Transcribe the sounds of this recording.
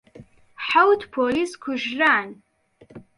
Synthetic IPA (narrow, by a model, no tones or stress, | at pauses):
ħawtʰpʰoliːskʷʰʊʒraːn